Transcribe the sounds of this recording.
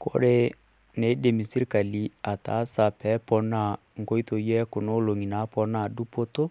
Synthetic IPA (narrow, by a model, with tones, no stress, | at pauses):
ko̰˦ɾe˦ | ne˨˦de˨mi˨si˦ɾka˨li˨˦a˨ta̰˨˦sa˨pɛ˨˦pɔ˨na˦˨ | ŋ̩˨ko˦i˦to˨jɛ˦ko˨no˦lo˨ŋi˨na˨˦pɔ˨na˨du˦po˦to˦